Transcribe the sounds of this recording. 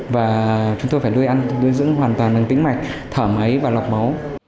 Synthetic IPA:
vaː˨˩t͡ɕʊ˨˦ŋ͡mt̪o˧jfaː˧˩jɗu˧jʔa˧nɗu˧jzɨ̰˧˥ŋɦwaː˨˩nt̪waː˨˩nʔə˨˩ŋt̪ï˧˥˦ŋ̟ma˨˩jk̚t̪ʰəː˧˩mʔə˨˦jvaː˨˩la˨˩wk͡p̚mə˨˦w

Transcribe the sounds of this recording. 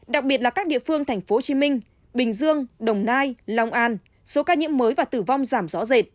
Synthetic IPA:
ɗa˨˩k̚ɓi˨˩ət̚laː˨˩kaː˦˥k̚ɗḭ˧˨əfɨ˧əŋt̪ʰɛ˨˩jŋ̟fo˨˦t͡ɕi˨˦mï˧ŋ̟ | ɓï˨˩ŋ̟zɨ˧əŋɗə˨˩wŋ͡mnaː˧jla˧wŋ͡mʔaː˧n | so˨˦kaː˧ɲḭ˧˥əmːəː˨˦jvaː˨˩t̪ɨ˧˩va˧wŋ͡mzaː˧˩mzɔ˨˦ze˨˩t̚

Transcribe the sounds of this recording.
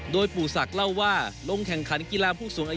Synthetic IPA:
doː˧jpuː˨˩sa˨˩k̚la˥˩wːaː˥˩lo˧ŋkʰɛ˨˩ŋkʰa˩˦˥nki˧laː˧pʰuː˥˩suː˩˦ŋʔaː˧

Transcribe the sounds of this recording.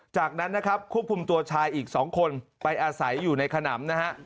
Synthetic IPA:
t͡ɕaː˨˩k̚na˦˥nːa˦˥kʰa˦˥p̚kʰu˥˩p̚kʰu˧mt̪u˧ɐt͡ɕʰaː˧jʔiː˨˩k̚sɔː˩˦ŋkʰo˧npa˧jʔaː˧sa˩˦jːuː˨˩na˧jkʰa˧na̰ː˩˦mna˦˥ha˦˥ʔ

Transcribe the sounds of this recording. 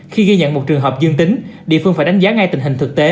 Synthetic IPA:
xi˧ɣi˧ɲə̰˧˨nmo˨˩t̚t͡ɕɨ˨˩əŋɦəː˨˩p̚zɨ˧ŋt̪ï˨˦ŋ̟ɗḭ˧˨fɨ˧ŋfaː˧˩jɗa˨˦jŋ̟zaː˨˦ŋa˧jt̪ï˨˩ŋ̟ɦï˨˩ŋ̟t̪ɨ˨˩k̚t̪e˨˦

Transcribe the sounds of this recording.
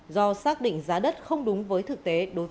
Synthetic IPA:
zɔ˧saː˦˥k̚ɗḭ˧˨ŋ̟zaː˨˦ɗə˦˥t̚xə˧wŋ͡mɗʊ˨˦ŋ͡mvəː˨˦jt̪ʰɨ˨˩k̚t̪e˨˦ɗo˨˦j

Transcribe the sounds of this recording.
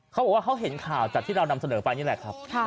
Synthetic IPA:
kʰa˦˥wbɔː˨˩waː˥kʰa˦˥wɦe˩˦nkʰaː˨˩wt͡ɕa˨˩t̪ʰːiː˥˩ɾa˧wna˧msa˧nɤː˩˦pa˧jniː˦˥˩lɛ˨˩kʰɾa˦˥p̚ʰ

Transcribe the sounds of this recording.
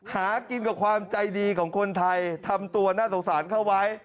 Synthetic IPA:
haː˩˦ki˧nka˨˩kʰwaː˧mt͡ɕa˧jdiː˧kʰɔː˩˦ŋkʰo˧nt̪ʰa˧jt̪ʰa˧mt̪u˧ɐnaː˥˩so˨˩ŋ̚saː˩˦nkʰa˥˩wa˦˥j

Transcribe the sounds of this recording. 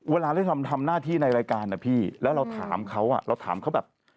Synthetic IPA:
weː˧laː˧ɾa˥˩jt̪ʰa˧mt̪ʰa˧mnaː˥˩t̪ʰiː˥˩na˧jɾaː˧jkaː˧nːa˨˩pʰiː˥˩lɛː˦˥wɾa˧wt̪ʰa̰ː˩˦mkʰa˦˥wʔa̰˨˩ɾa˧wt̪ʰaː˩˦mkʰa˦˥wbɛː˨˩p̚

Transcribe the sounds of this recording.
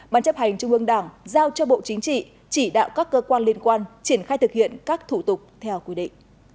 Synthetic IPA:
ɓaː˨˧˩nt͡ɕə˦˥p̚ha˨˩jŋ̟t͡ɕʊ˧ŋ͡mʔɨ˧əŋɗaː˧˩ŋzaː˧wt͡ɕɔ˧ɓo̰˧˨t͡ɕï˨˦ŋ̟t͡ɕḭ˧˨ | t͡ɕi˧˩ɗa̰ː˧˨wkaː˦˥kːəː˧kwaː˧nli˧ənkwaː˧nt͡ɕi˧˩ənxaː˧jt̪ɨ˨˩k̚hḭ˧˨ənkaː˦˥k̚t̪ʰu˧˩t̪ʊ˨˩k͡p̚t̪ʰɛ˧wkwi˧˦ɗḭ˧˨ŋ̟

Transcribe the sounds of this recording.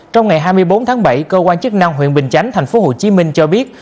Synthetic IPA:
t͡ɕɔ˧wŋ͡mŋa˨˩jɦaː˧jmɨ˧əjɓo˨˦nt̪ʰaː˨˦ŋɓa̰˧˩jkəː˧kwaː˧nt͡ɕɨ˦˥ək̚na˧ŋɦḭ˧˨ənɓï˨˩ŋ̟t͡ɕa˨˦jŋ̟t̪ʰa˨˩jŋ̟fo˨˦ɦo˨˩t͡ɕi˨˦mï˧ŋ̟t͡ɕɔ˧ɓi˦˥ət̚

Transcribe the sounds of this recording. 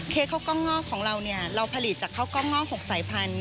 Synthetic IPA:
kʰeː˧˥˩kʰaː˥˩kɔː˥˩ŋːɔː˥˩kʰɔː˩˦ŋɾa˧wni˥˩ɐɾa˧wpʰa˧li˨˩t̪̚t͡ɕaː˨˩kʰːaː˥˩wkɔː˥˩ŋːɔː˥˩hʰoː˨˩˦k̚saː˨˩˦jpʰa˧n

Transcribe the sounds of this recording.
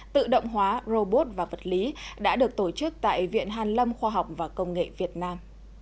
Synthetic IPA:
t̪ɨ̰˧˨ɗə̰˧˨wŋ͡mɦwaː˨˦zo˧ɓo˦˥t̚vaː˨˩və˨˩t̚li˨˦ɗa̰ː˧˥ɗɨ˨˩ək̚t̪o˧˩t͡ɕɨ˦˥k̚t̪a̰ː˧˨jvḭ˧˨ənɦaː˨˩nlə˧mxwaː˧ɦa˨˩wk͡p̚vaː˨˩kə˧wŋ͡mŋḛ˧˨vi˨˩ət̚naː˧m

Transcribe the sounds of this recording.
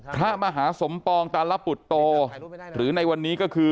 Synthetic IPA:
pʰɾa˦˥maː˧ɦaː˩˦so˩˦mpɔː˧ŋt̪aː˧nla˦˥pːu˨˩t̪ːoː˧ɾɯː˩˦na˧jwa˧nːiː˦˥kɔ˥˩kʰɯː˧

